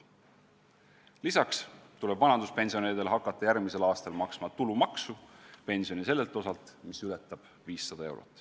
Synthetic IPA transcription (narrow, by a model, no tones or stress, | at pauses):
lisɑkst̪ule̞b̥vɑnɑnd̪uspe̞nʲsio̞neɾid̪elɦɑkːˑɑt̪ːˑɑjærɡmise̞lɑːst̪ɑlmɑksmɑt̪ulumɑksupe̞nʲsio̞nise̞lːe̞lt̪ːˑo̞sɑlt̪ːˑmisylɛt̪ːˑɑb̥ | viːsːɑd̪̥ɑe̞wɾo̞̰t̪ːˑ